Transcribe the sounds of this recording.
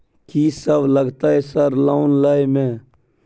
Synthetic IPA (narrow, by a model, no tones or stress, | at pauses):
kiːsəbʱləɡt̪aːɦɛsəɾlaʊnlaːjmẽː